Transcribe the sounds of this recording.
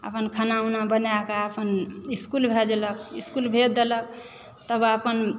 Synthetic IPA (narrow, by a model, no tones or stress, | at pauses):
ə̰pənkʰanaunabənakaəpəniskulbʱed͡ʒelək̚iskulbʱet̪̚d̪elək̚ | t̪əbəpən